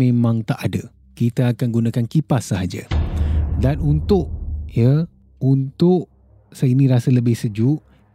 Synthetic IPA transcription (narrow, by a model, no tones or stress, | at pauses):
ẽmãŋt̪aʔadə | kit̪əakanɡunakankipasːaɦad͡ʒə̰ | danunt̪ʊʔjə | unt̪ʊʔ | səinĩɾasələbɪhsəd͡ʒuʔ